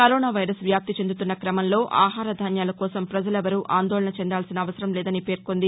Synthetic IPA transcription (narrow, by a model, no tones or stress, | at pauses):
kɐɾoːnaːʋɐjɾɐsʋjaːp̚t̪it͡ʃe̞nd̪ut̪unːɐkɾɐmɐnlo̞ːʔa̰ːɦaːɾɐd̪ʱaːnjaːlɐkɔːsɐmpɾɐd͡ʒɐlɛʋɐɾuʔaːnd̪oːlɐnɐt͡ʃɛnd̪aːlsinɐːʋɐsɐɾɐmlɛːd̪ɐnipe̞ːɾkond̪i